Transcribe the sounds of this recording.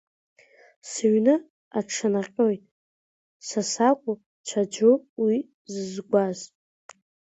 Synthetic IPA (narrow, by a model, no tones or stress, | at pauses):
sɨɥnɨ | aʈ͡ʂʰanaqʲʼojtʼ | sasakʷʼʊ | t͡ʃʷʰad͡ʒuwi | zɨzɡʷaz